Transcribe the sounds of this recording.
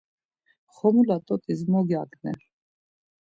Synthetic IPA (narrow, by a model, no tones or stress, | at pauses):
χɔmulat̪ʼɔt̪ʼizmɔɡjakʼnɛ̰ɾ